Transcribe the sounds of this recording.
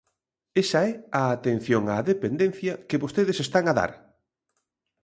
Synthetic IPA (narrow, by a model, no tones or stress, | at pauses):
esɐɛaːt̪en̟θjoŋaðepend̪enθjɐkeβost̪eðɪsest̪aŋaða̰ɾ